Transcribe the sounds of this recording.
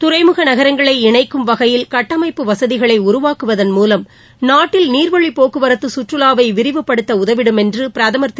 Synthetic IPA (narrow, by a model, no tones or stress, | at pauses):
t̪ʊɾɐɪmɯɣɐnɐɣɐɾɐŋɡɐɭɐɪɪɳɐɪkːɯmʋɐɣɐjɪlkɐʈːɐmɐɪpːɯʋɐsɐðɪɣɐɭɐɪʊɾʊʋaːkɯʋɐðɐnmuːlɐm | naːʈːɪlniːɾʋɐɻipoːkɯʋɐɾɐt̪ːɯsʊʈrɯlaːʋɐɪʋɪɾɪʋɯpːɐɽɯt̪ːɐʊðɐʋɪɽɯmɛndrɯpɪɾɐðɐmɐɾt̪ː